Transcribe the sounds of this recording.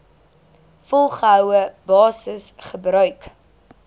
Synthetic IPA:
fɔlˠχəɦœwəbɑːsəsχəbɾœɥk

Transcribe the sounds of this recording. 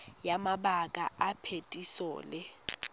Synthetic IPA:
jamaɓakʼa̰apʰetʼisɔ̰ːlɛ

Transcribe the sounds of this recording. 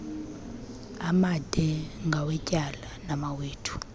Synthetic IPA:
amad̥ʱɛŋɡʱawɛcʼalanamaweːtʰu̥

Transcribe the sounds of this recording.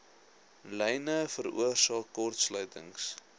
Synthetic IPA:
lɛjnəfəɾṵərsɑːkːɔrtslœɥtə̰ŋs

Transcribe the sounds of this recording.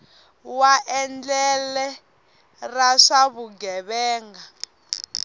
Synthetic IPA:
waʔɛnd͡ɮɛlɛ | raʂaβuɡɛβɛːŋɡa

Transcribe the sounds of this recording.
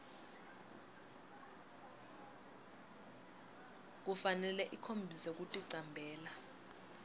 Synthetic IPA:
k̬ufanɛlɛʔikʰombʱisek̬utʼiǀambʱɛːla

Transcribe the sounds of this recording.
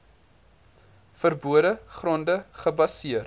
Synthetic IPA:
fərbuədəχrɔndəχəbɐsiər

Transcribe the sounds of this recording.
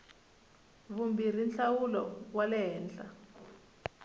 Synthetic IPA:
βumbir̤inɬawulɔ̰walɛɦɛːnɬa

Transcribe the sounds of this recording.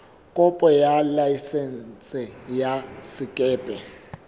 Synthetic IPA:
kʼɔpʼɔjalaisɛnsʼɪjasɪkʼɛːpʼɛ

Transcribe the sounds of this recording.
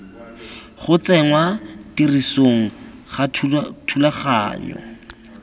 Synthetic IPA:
χʊt͡sɛŋwatirisoŋ̩χatʰulaχa̰ːɲɔ̰

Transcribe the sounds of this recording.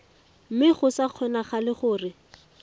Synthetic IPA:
m̩mɪχʊsaq͡χʰwɛnaχalɪχʊːrɪ

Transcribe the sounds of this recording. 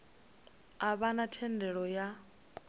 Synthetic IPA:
aβanatʰɛndʱɛɺɔja

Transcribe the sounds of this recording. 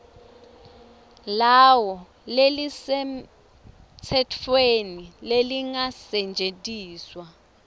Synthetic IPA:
lawɔ | lelisɛ | t͡sʰɛtʰfenileliŋasɛnd͡ʒʱetʼiːswa

